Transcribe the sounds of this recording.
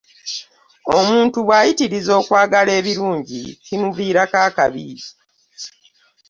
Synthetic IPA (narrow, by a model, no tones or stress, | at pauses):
o̞muːntuβwaːjitiɾizo̞ːkwaːɡale̞ːβiɾuːɲɟḭcinuviːɾakaːkaβḭi